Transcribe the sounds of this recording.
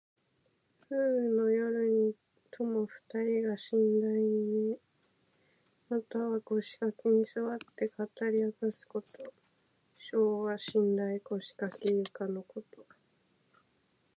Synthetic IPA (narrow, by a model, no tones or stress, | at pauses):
ɸɯːno̞jo̞ɾɯ̟ɲ̟i | t̪ʰo̞mo̞ɸɯ̟̥t̪aɾʲiɡaɕĩnd̪aine | mat̪aβaɡo̞ɕi̥kakeɲ̟isɨβat̪ːe̞kat̪aɾʲiakasɨ̥ko̞t̪o | ɕo̞ːβaɕĩnd̪aiɡo̞ɕi̥kakejɯkano̞ko̞t̪o̞